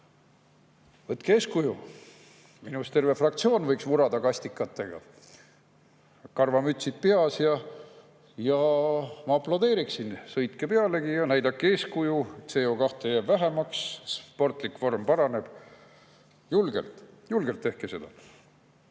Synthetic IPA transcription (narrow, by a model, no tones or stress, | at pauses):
vɤt̪ːˑkeːskuju | minust̪e̞rve̞frɑk̚t̪sio̞ːnvɤjksmuɾɑd̪̥ɑkɑsʲt̪ikːˑɑt̪ːˑe̞ɡ̥ɑ̰ | kɑrvɑmyt̪ʲsit̪̚peɑsjɑ | jɑmɑɑplɑd̪eːɾiksinsɤjt̪kepe̞ɑle̞ɡijɑnæjd̪ɑkːe̞ːskujuet̪seoːkɑht̪ejæːbvæɦemɑksspo̞rt̪ˑlikvo̞rmpɑɾɑne̞b̥ | julɡ̥ḛlt̪julɡ̥elt̪ːe̞hkese̞d̪̥ɑ